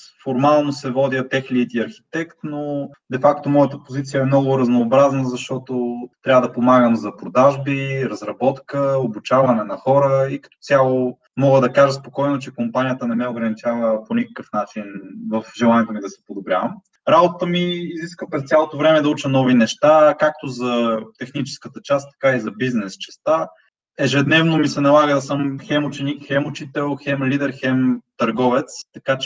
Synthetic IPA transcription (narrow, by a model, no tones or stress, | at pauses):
foɾmalˠnosɛvɔd̪jət̪ɛxlit̪iɐɾxi̥t̪ɛkt̪no | d̪ɛfakt̪omɔjət̪əpozit̪sijɐɛmnɔɡʊɾɐznoːbɾaznəzɐʃt̪ɔt̪ot̪ɾʲavəd̪ɐpomaɡəmzɐpɾod̪aʒbiɾɐzɾɐbɔt̪kəobut͡ʃavɐnɛnɐxɔɾəikɐt̪ɔ̥sʲjalˠo | mɔɡəd̪ɐkaʒəspokɔjnot͡ʃɛkompanʲijət̪ənɛmɛoɡɾɐnit͡ʃavəponʲikə̥kəfnat͡ʃinvəfʒɛlˠanʲiɛt̪omid̪ɐsɛ̥pod̪obɾʲja̰vəm | ɾabot̪ət̪əmiːziskvəpɾɛst̪sʲjalˠot̪ovɾɛmɛd̪ɐut͡ʃənɔvinɛʃt̪akak̚t̪ozɐt̪ɛxnit͡ʃɛ̥skət̪ət͡ʃast̪ːɐ̥kaizɐbiznɛst͡ʃɛ̥st̪a | ɛʒɛd̪nɛvnomisɛnɐlˠaɣəd̪ɐsɤmxɛmʊt͡ʃɛnikxɛmʊt͡ʃit̪ɛlˠxɛmlid̪ɛɾxɛmt̪ɐɾɡɔvɛt̪st̪ɐkat͡ʃ